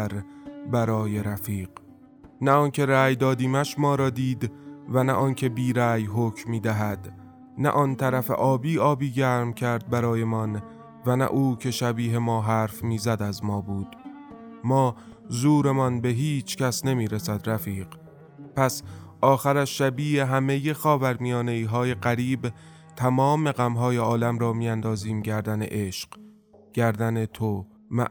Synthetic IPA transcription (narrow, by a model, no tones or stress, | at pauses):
ɾbæɾɒːje̞ɾæfiːq | næɒːncʰe̞ɾæːjd̪ɒːd̪iːmæʃmɒːɾɒːd̪iːd̪vænæ̰ʔɒːncʰe̞biːɾæːjɦocʰmiːd̪æɦæd̪ | næ̰ʔɒːnt̪ʰæɾæfḛʔɒːbiːɒːbiːɟæːɾmcʰæɾd̪̚bæɾɒːje̞mɒn | vænæ̰ʔuːcʰe̞ʃæbiːɦe̞mɒːɦæːɾfmiːzæd̪æzmɒːbuːd̪̥mɒː | zuːɾe̞mɒnbe̞ɦiːt͡ʃʰcæsne̞miːɾesæd̪ɾæfiːɢ̥ | pʰæsʔɒːxæɾæʃːæbiːheɦæme̞je̞xɒːvæɾmijɒːne̞iːɦɒːje̞ɢæɾiːb | t̪ʰæmɒːme̞ɣæmɦɒːjeɒːlæmɾɒːmiːænd̪ɒːziːmɟæɾd̪ænḛʔeʃq | ɟ̥æɾd̪ænet̪ʰo | mæ̰